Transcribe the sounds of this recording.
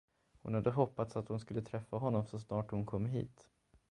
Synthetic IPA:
hʊnhad̪ːəɦɔpːat̪sat̪hʊnskɵlːət̪ʰɾɛfːaɦɔnːɔmsɔsnɑːʈhʊnkʰɔmːɦḭːt̪

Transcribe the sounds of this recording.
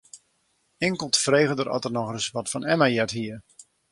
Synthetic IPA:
ɪŋkəlˠtəfreːɣədəɾɔ̰tərnɔxrəsʋɔtfɔnɛmajɛtɦiə

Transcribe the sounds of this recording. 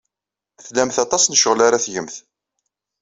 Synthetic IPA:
θlæmθɑt̪ˤɑsnəʃəʁlaɾaθjəmθ

